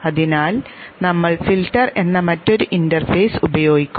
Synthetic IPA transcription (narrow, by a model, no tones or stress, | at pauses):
ɐðinaːl | nɐmːɐɭfilʈːɐre̞nːɐmɐtːo̞ɾuʔindɐrfejsubɐjo̞ːɡikʲːu